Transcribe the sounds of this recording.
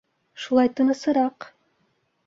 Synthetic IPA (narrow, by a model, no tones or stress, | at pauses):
ʃulˠɑjt̪ɯnɤsɯɾɑq